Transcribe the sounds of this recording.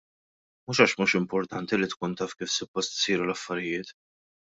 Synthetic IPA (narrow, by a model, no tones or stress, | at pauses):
muːʃɐʃmuːʃɪmpɔɾt̪ɐnt̪ilit̪kuːnt̪ɐfkiːfsɪpːɐst̪siːɾulɐfːɐɾɪjɪːt̪